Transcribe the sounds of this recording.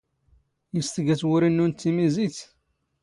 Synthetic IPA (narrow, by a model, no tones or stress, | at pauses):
jəst̪əɡæt͡swʊɾinːunt̪ːimiziθ